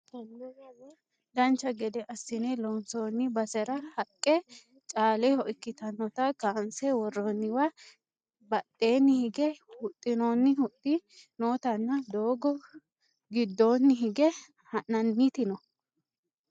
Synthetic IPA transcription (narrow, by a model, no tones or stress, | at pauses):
d̪ɐnt͡ʃːɐɡɛd̪ɛʔɐsːɪnelɔnsoːnːɪbɐsɛɾɐhɐkʼːɛ | t͡ʃʼaːlɛhɔʔɪkːɪt̪ɐnːɔt̪ɐkaːnsɛwɔrːɔnːɪwɐ | bɐt̪ʼːe̞ːnːɪhɪɡɛhʊt̪ʼːɪnoːnːɪhʊt̪ʼːɪnoːt̪ɐnːɐd̪o̞ːɡɔ | ɡɪd̪ːoːnːɪɦɪɡɛ | hɐnːɐnːit̪ɪnɔ